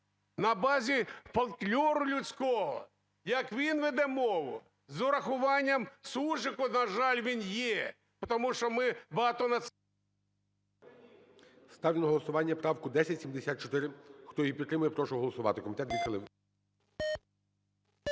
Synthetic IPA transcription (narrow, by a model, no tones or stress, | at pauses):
nɐbɑzʲifɐlˠklʲɔɾʊlʲʊt͡sʲkɔɦɔ̰ | jɐkʋʲinʋɛd̪ɛmɔʋʊ | zɔɾɐxʊʋɑnʲːɐmsuʒɪkʊnɐʒɑlʲʋʲinjɛ | pɔt̪ɔmuʃt͡ʃɔmɪbɐɦɑt̪ɔnɐ | st̪ɑwʲlʲinɔɦɔlˠɔsʊʋɑnʲːɐpɾɑwkʊd̪ɛsʲɐtʲsʲimd̪esʲat̪t͡ʃɔt̪ɪɾɪxt̪ɔjipʲit̪ːɾɪmʊjɛpɾɔʃɔɦɔlˠɔsʊʋɑ̰t̪ɪkɔmʲit̪ɛt̪ʋʲid̪xɐlˠɪw